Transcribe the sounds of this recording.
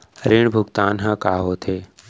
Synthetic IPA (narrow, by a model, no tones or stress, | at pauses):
ɾiːɳ̃bʱʊɡt̪aːnɦãːkaːɦoːt̪ʰeː